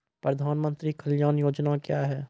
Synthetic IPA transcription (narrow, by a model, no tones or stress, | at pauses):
pɾɐd̪ʱaːnmə̃nt̪ɾikʰəljaːnjoːd͡ʒnakjaːɦɛː